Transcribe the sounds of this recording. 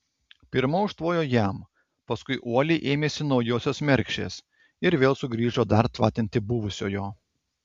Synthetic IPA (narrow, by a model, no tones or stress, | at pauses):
pʲɪɾmoːʊʃt̪ʋoːjoːjæˑm | pɐskʊɪʔuɔlʲeɪʔeːmʲeːsʲɪnɒʊjoːsʲoːsmʲɛɾʲkʃʲḛːs | ɪɾʋʲeːlˠsʊɡɾʲiːʒoːd̪ɐɾt̪ʋɑːt̪ʲɪnʲt̪ʲɪbʊʋʊsʲo̰ːjoː